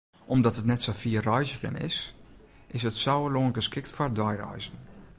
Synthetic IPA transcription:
ʔɔmdɔtətnɛtsɔfiːərɔjzəɣə̰nɪ̰s | ʔɪsətsɔwəloːnɡəskɪktfardɔjrɔ̰jzən̩

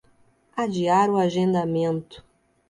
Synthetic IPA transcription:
ad͡ʒiaɾʊaʒẽnd̪amẽnt̪ʊ̥

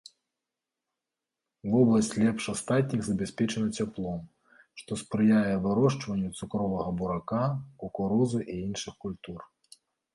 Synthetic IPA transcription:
vɔblˠɐsʲt͡sʲlʲɛpʂast̪at̪ʲnʲiɣzɐbʲasʲpʲɛt͡ʂɐnɐt͡sʲaplˠɔm | ʂt̪ɔspɾɨjajɛvɨɾɔʂt͡ʂvɐnʲːut̪sukɾɔvɐɣɐbuɾakakukuɾɔzɨʔiinʂɨxkulʲt̪ur

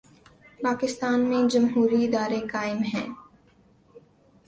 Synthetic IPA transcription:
paːkɪst̪aːnmẽd͡ʒɐmɦuːɾiɪd̪aːɾekaːɪmɦɛ̰̃ː

